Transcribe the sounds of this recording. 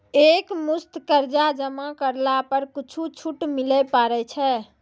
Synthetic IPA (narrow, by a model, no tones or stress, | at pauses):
ekmust̪kəɾd͡ʒad͡ʒəmakəɾlapəɾkit͡ʃʰut͡ʃʰuʈmilɛpaɾɛt͡ʃʰɛ